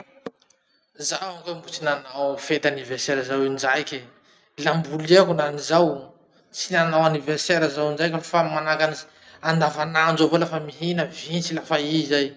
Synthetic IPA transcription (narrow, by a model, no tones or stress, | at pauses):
zawaŋkambut͡sinanawfet̪aniverseɾazawind͡ʒajkʲe | lambuliakunanizaw | t͡sinanawaniverseɾazawnd͡ʒajkʲafamanakaniz | and̪avanand͡ʒovolafəmiɦinəvint͡silafaizaj